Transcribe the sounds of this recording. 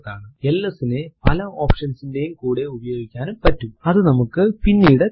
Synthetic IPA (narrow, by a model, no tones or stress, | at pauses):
ðaːɳɨelːɐsinepɐlɐoːpʂɐnsinde̞jumkuːɽe̞ubɐjo̞ːɡikʲːaːnumpɐtːumɐðɨnɐmukːɨpinːijuɽe